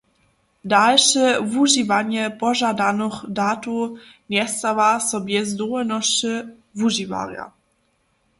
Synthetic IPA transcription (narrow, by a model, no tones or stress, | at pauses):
dalʃɛvuʒivanjɛpɔʒadanoxdatu | njɛst̪avasɔbjɛzd̪ɔnɔʃə | vuʒiva̰ʁja̰